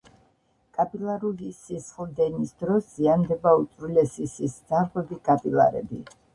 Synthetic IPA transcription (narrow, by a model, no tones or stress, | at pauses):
kʼapʼilˠaɾulisisχlˠd̪ɛnisd̪ɾɔsz̥iand̪ɛbaut̪sʼɾulɛsisisd̪zaɾʁwɛbikʼapʼilˠa̰ɾɛ̰bi